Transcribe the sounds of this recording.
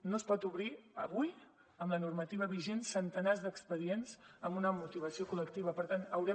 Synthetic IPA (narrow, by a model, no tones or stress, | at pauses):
nospɔt̪uβɾiəβuj | əmlənurmət̪iβ̞əβiʒensənt̪ənazd̪əkspəðienzəmunəmut̪iβ̞əsiokulək̚t̪iβ̞əpəɾt̪anəwɾɛ